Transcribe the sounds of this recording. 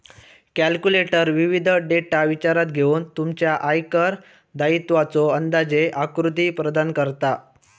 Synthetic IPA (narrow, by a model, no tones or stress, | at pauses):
kælkjuleʈəɾʋiʋid̪ʱəɖeʈaʋit͡ɕaɾat̪ɡʱeuːnt̪umt͡ɕjaʔajkəɾ | d̪ait̪ʋat͡soənd̪ad͡ʑeʔakɾut̪̬iːpɾəd̪ankəɾt̪a